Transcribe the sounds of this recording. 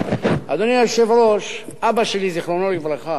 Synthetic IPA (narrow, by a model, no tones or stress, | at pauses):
a̰d̪oniaʃevɾoʃabaʃeliziχlonoɾɡivlaχa